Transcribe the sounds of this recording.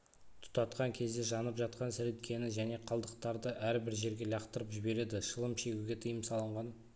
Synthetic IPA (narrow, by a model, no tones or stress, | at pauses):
t̪ʰʊ̥t̪ɑt̪qɑŋkʲʰe̞zd̪e̞ʒɑnəpʒɑt̪qɑnsɪɾet̪kʲʰe̞nɪʒæne̞qʰɑlˠd̪əqt̪ɑɾd̪əʔæɾbɪɾʒe̞ɾɡʲe̞lɑqt̪əɾəpʒɪbe̞ɾe̞d̪ɪʃəlˠəmʃe̞ɡʲuɡʲe̞t̪ʰəjəmsɑlˠəɴʁɑn